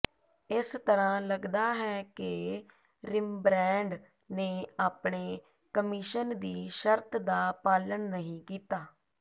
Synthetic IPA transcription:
ɪst̪əɾãːləɡd̪aːɦɛːkɪ | ɾɪmbɾɛ̃ːɳɖ | neːaːpɳeː | kəmiʃənd̪iːʃəɾt̪ʰd̪aːpaːləɳnəɦĩːkiːt̪aː

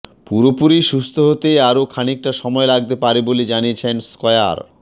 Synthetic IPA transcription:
puɾopuɾiʃust̪ʰoɦot̪eaɾokʰanik̚ʈaʃɔmɔelaɡ̚t̪epaɾeboled͡ʑaniet͡ɕʰenskɔea̰ɾ

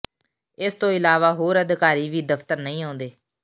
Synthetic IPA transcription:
ɪst̪õːɪlaːʋaːɦoːɾəd̪kaːɾiːʋiːd̪əfʰt̪əɾnəĩːãːnd̪eː

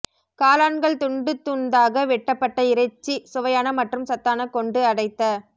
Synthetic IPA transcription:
kaːlaːɳɡɐɭt̪ʊɳɖɯt̪ːuːnd̪aːɣɐʋɛʈːɐpːɐʈːɐɪɾɐɪt͡ʃːisʊʋɐjaːnɐmɐʈrɯmsɐt̪ːaːnɐkːɔɳɖɯɐɽɐɪt̪ːɐ

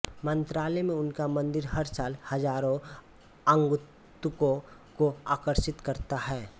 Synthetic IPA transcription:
mə̃nt̪ɾaːlɛmẽʊnkamə̃nd̪ɪɾɦɐɾsaːlhɐd͡ʒaːɾõ | ə̃ŋɡ | t̪ʊkõkoaːkəɾʃɪt̪kɐɾt̪aɦɛː

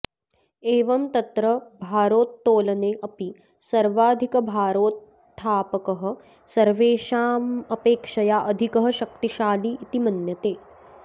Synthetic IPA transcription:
eːʋɐmt̪ɐt̪ɾɐbʱaːɾoːt̪ːoːlɐneːʔɐpi | sɐɾʋaːd̪ʱikɐbʱaːɾoːt̪ʰː | aːpɐkɐɦɐ̆ | sɐɾʋeːʃaːmɐpeːkʂɐjaʔɐd̪ʱikɐɦɐ̆ʃɐk̚t̪iʃaːliːt̪imɐnjɐt̪eː

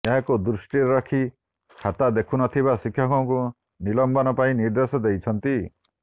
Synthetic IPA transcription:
eɦãkud̪ɾusʈiɾɾɔkʰi | kʰat̪ad̪ekʰunɔt̪ʰiβasikʰːjɔkɔũku | nilɔmbɔnɔpaĩniɾd̪esɔd̪ejt͡ʃʰɔnt̪i

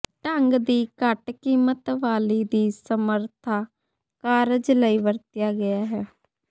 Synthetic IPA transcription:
ʈəŋɡd̪iːkəʈkiːmət̪ʋaːliːd̪iːsəməɾt̪ʰaː | kaːɾəd͡ʒləiːʋəɾt̪jaːɡɪjaːɦɛː

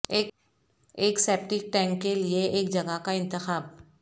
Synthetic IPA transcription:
eːk | eːkseːp̚ʈɪk̚ʈɛ̃ːŋkːelieʔeːk̚d͡ʒɐɡakaɪ̃nt̪ɪxaːb̚

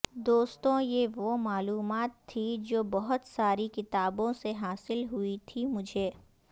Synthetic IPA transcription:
d̪oːst̪õjeʋomaːluːmaːt̪ʰːid͡ʒoːbɔɦʊt̪saːɾikɪt̪aːbõseɦaːsɪlɦʊit̪ʰimʊd͡ʒʱeː

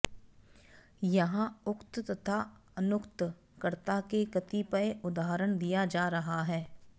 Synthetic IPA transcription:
jɐɦãʊkt̪t̪ɐt̪ʰaənʊkt̪ | kəɾt̪akekɐt̪ipəeʊd̪aːɦɾəɽ̃d̪ijad͡ʒaːɾɐɦaɦɛː

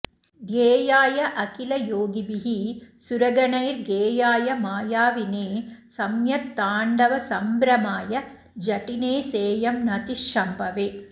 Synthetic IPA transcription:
ɡ̪eːjaːjɐʔɐkilɐjoːɡibiɦisuɾɐɡɐɳɐjɾɡeːjaːjɐmaːjaːʋineːsɐmjɐt̪ːaːɳɖɐʋɐsɐmbɾɐmaːjɐ | d͡ʒɐʈineːseːjɐmnɐt̪iʂʂɐmbɐʋeː

